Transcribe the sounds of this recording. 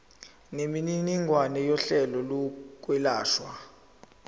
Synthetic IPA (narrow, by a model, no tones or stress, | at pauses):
nemininiŋʱwanɛjɔɬɛlɔluk̬ʼwɛlaːʃwa